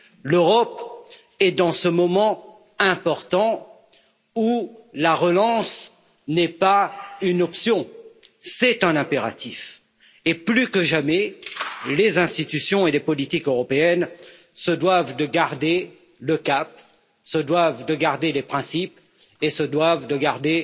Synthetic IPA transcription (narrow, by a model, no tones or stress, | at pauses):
løʁɔp | ɛd̪ɑ̃səmɔmɑ̃ | ɛ̃pɔʁt̪ɑ̃ | ulaʁəlɑ̃s | nɛpaynɔpsjɔ̃sɛt̪ɛ̃nɛ̃peʁa̰t̪ʰif | eplykəʒamɛ | lezɛ̃st̪it̪ysjɔ̃elepɔlit̪ikøʁɔpeɛn | səd̪wavd̪əɡaʁd̪e | ləkap̚ | səd̪wavd̪əɡaʁd̪elepχɛ̃sip | esəd̪wavd̪əɡaʁd̪e